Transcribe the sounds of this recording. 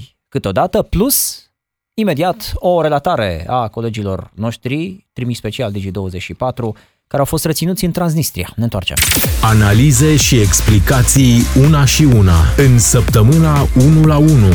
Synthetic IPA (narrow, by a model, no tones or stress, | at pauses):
kɨt̪eo̞d̪at̪əplus | ime̞d̪iat̪o̞ɾe̞lat̪aɾe̞̰ako̞le̞d͡ʒilo̞̰rno̞ʃt̪ɾit̪ɾimiʃspe̞t͡ʃiald̪id͡ʒid̪o̞wəze̞t͡ʃʃipat̪ɾu | kaɾeawfo̞st̪ret̪sinut̪sʲɨnt̪ɾans̬nist̪ɾia̰nent̪oa̰rt͡ʃḛmanalize̞ʃieksplikat̪sijunaʃiuna̰ɨnsəpt̪əmɨnaunulaunu